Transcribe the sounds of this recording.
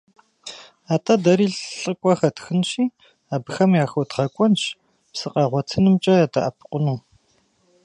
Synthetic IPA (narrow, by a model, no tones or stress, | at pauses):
aːtʰʼadɐɾiːɬɬʼɨkʷʼɔxɐtxɨnʃiː | aːbɨxɐmjaːxowtʁɐkʷʼɔnʃ | psɨqʼɑːʁʷɔtʰɨnɨmt͡ʃʼɐjaːdʰa̰ʔɐpʰqʷʊnuː